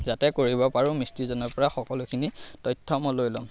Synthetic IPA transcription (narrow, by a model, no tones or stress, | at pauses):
zatɛkoɹibɔpaɹʊ̃mistizɔnɔɹpɔɹaxɔkɔlʊkʰinitɔjtʰːɔmɔlojlɔm